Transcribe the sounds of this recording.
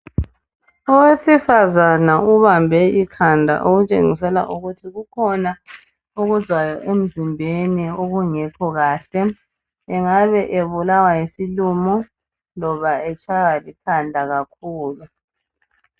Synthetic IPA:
ɔwesifazanauβambʱɛikʰandʱa̰ʔoɣut͡ʃʼḛŋisɛla̰ʔuɣutʰiɣukʰɔna | uɣuzwajɔʔem̩zimbʱenioɣuŋɛkʰɔɣaːɬɛ | ɛŋaβɛʔeβulawajesilumɔ | lɔβaɛt͡ʃʰʼaɣalikʰandʱaɣakʰuːlu

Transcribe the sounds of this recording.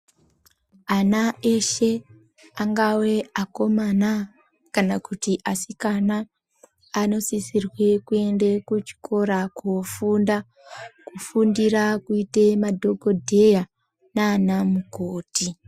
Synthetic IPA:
anaeʃe̞ | aŋɡawe̞ako̞mana | kanakutiʔasikanaː | no̞sisirwe̞kue̞nde̞kut͡ʃi̥kʰo̞ɾakofunda | kufundiɾakuite̞madʱo̞ɡʱo̞dʱe̞ja | naːnamukoːti

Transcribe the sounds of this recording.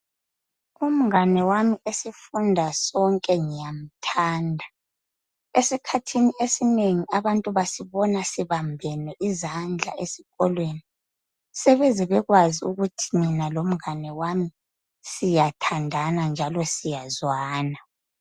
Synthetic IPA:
um̩ŋanɛwamiesifundʱasɔŋkʼɛŋijam̩tʰaːndʱa | esikʰatʰiniesineŋiaβantʼuβasiβɔnasiβambʱɛnɛʔizand͡ɮʱa̰ʔesiɣɔlweni | sɛβɛzɛβɛɣwaziuɣutʰiminalom̩ŋanɛwami | sijatʰandʱanand͡ʒʱalɔsijazwaːna

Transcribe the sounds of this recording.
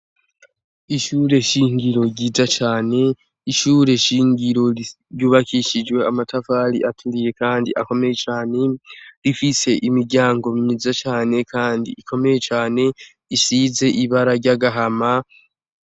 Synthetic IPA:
iʃuɾe̞ʃiːŋɡiɾo̞ɾɟiːzat͡ʃaːne̞ | iʃuːɾe̞ʃiːŋɡiɾo̞i | ɾjuːβakiʃid͡ʒweamatafaːɾḭʔatuɡije̞kaːndiʔa̰ko̞me̞je̞t͡ʃaːne̞ɾifise̞ʔimiɾɟaːŋɡo̞mɲizat͡ʃaːne̞kʰaːndḭikʰo̞me̞je̞t͡ʃaːne̞ | isize̞ʔiβaɾaɾɟaɡaɦama

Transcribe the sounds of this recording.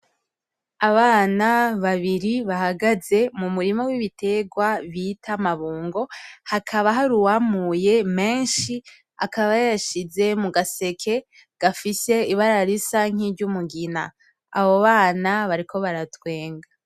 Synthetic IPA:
aβaːnaβaβiɾiβahaɡaze̞mumuɾimo̞wiβitʰe̞ɡwaβitʰamaβuːŋɡo̞hakʰaβaɦaɾuwamuje̞me̞ːnʃi | akʰaβajjaʃize̞muɡase̞kʰe̞ | ɡ̥afise̞iβaɾaɾisaŋ̥iɾɟumuɡinaː | βo̞βaːnaβaɾikʰo̞βaɾatwe̞ːŋɡa

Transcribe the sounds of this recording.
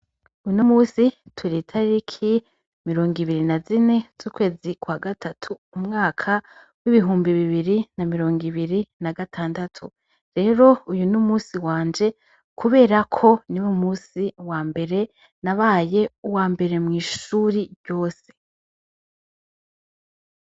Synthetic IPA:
ujunumuːsitʰuɾitʰaɾɾikʰi | miɾo̞ːŋɡiβiɾinazine̞z̥uːkwe̞ːzikwaɡatʰatʰuːmŋaːkʰa | wiβiɦuːmbiβiβiɾinamiɾoːŋɡiβiɾinaɡatʰaːndatʰu | ɾe̞ːɾo̞ujunumuːsiwaːnd͡ʒe̞ | kʰuβe̞ːɾakʰo̞niwumuːsiwaːmbe̞ɾe̞ | naβaːje̞uwaːmbe̞ɾe̞mŋiːʃuːɾiɾɟo̞ːse̞

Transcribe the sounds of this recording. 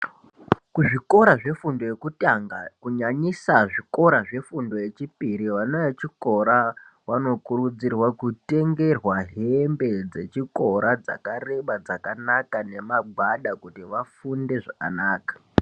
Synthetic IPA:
kuʐiko̞ɾaʐe̞fundo̞je̞kutaŋɡa̰kuɲaɲisaʐiko̞ɾaʐe̞fundo̞je̞t͡ʃipiɾiʋanojat͡ʃiko̞ɾa | wano̞kurud͡zirwakute̞ŋɡe̞rwaɦe̞mbe̞d͡ze̞t͡ʃiko̞ɾad͡za̰kareɓad͡zakanakane̞maɡʱaɗakutiʋafunde̞ʐaka̰naːkḁ

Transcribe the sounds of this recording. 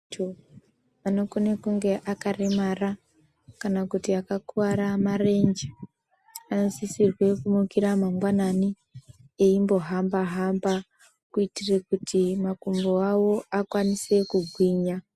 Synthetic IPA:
to | ano̞konekuŋɡe̞ʔakaremara | kanakutiakakuwaɾamare̞nd͡ʒe | ano̞sisirwe̞kumukiɾamamɡwanani | eimbo̞ɦambaɦamba | kuitirekutʰimakumboawo̞akwanise̞kuɡʱwiːɲa

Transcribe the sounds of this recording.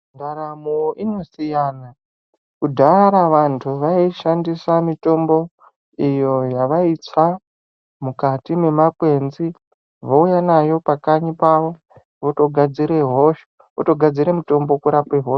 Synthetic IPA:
ndaɾamoino̞sijana | kudʱaɾaʋantʰuʋaiʃandisamito̞mbo̞ | ijo̞jaʋait͡sa | mukatime̞makwe̞nzi | ʋoujanajo̞pakaɲipaʋo̞ | ʋoto̞ɡʱad͡ziɾeɦoʃu̥ | o̰to̞ɡʱad͡ziɾemito̞mbo̞kuɾapeɦo̞ʃ

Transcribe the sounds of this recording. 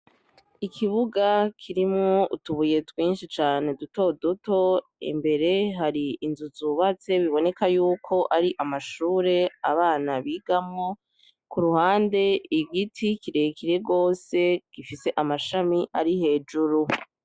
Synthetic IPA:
ikʰiβuɡakʰiɾimŋoutuβuje̞twiːnʃit͡ʃaːne̞duto̞duto̞ḭmbe̞ɾe̞ɦaɾiːnzuzuβat͡se̞βiβo̞ne̞kajuːkʰo̞ʔaɾiʔamaʃuːɾe̞aβaːnaβiɡamŋo | kuɾuhaːnde̞iɡitʰikiɾe̞kʰiɾe̞ɡo̞ːse̞ɡ̥ifise̞ʔamaʃamiʔaɾiɦe̞ːd͡ʒuɾu

